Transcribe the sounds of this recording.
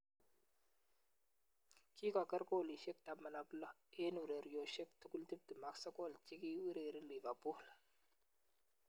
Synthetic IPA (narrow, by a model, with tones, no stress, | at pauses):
ki˦ka˨kə˦ɾko˦˨li˨ʃe˦k̚ta˨mə˨na˨blə˦e˦nu˨ɾe˨ɾjo˨ʃe˦k̚tu˦ku˦lti˦p̚tə˨ma˨ksə˦ko˦˨lt͡ʃi˦ki˦wi˦ɾe˨ɾi˦li˨va˨bu˦hl